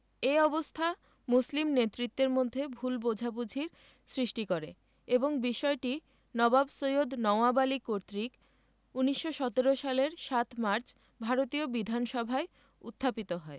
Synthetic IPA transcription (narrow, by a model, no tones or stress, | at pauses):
eɔbost̪ʰa | muslimnet̪ːɾit̪ːeɾmod̪ʱːebʱulbod͡ʑʱabud͡ʑʱiɾ | sɾiʃʈikoɾḛ | eboŋbiʃɔeʈi | nɔbabsojod̪nɔoabalikoɾt̪ɾik | uniʃːoʃɔt̪eɾoʃaleɾʃat̪maɾt͡ɕ | bʱaɾot̪iobid̪ʱanʃɔbʱae | ṵt̪ʰːapit̪oɦɔe